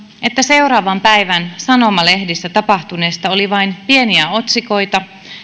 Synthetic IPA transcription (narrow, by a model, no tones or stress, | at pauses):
e̞t̪ːæse̞uɾɑːʋɑmpæjʋænsɑno̞mɑle̞hdisːæt̪ɑpɑht̪une̞ːst̪ɑoliʋɑinpie̞niæot̪siko̞jt̪ɑ